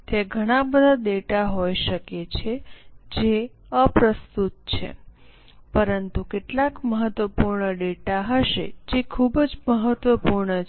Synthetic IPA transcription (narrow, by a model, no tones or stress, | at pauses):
t̪eɡʱəɽ̃ãbəd̪ʱad̪eʈaɦojʃəket͡ʃʰed͡ʒe | əpɾəst̪ut̪̚t͡ʃʰḛ | pəɾənt̪ukeʈlakməɦət̪ʋəpuɾɳəɖeʈaɦəʃḛd͡ʒekʰubd͡ʒməɦət̪ʋəpuɾɳə